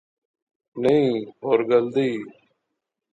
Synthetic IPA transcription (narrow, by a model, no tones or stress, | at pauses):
nəĩːɦoːɾɡəld̪iː